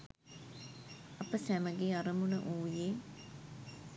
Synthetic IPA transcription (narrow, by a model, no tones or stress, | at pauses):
ɐpəsæməɡeɐɾəmunə̰ʔuːjeː